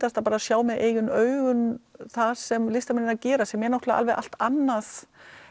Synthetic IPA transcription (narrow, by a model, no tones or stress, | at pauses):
t̪ast̪apaːɾasjaːwmɛðʔḛːjʏnœːɥɣʏnθasɛmlɪst̪amɪnɪnacɛːɾasɛmjɛɾnawht̪laa̰lvɛɣʔa̰l̥t̪anːaθ